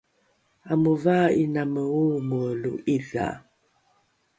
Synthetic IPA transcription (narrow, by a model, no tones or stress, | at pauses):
aməvainaməwoməlṵiɮa̰